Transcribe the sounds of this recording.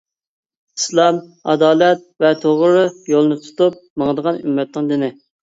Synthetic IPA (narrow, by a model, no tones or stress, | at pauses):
i̥slˠɑmɑ̰d̪ɑːlɛt̪̚vɛt̪ʰoʁɾʊjolˠnɨt̪ʰu̥t̪up̚məŋd̪əʁɑny̰mːɛt̪nɪŋd̪ɪnɪ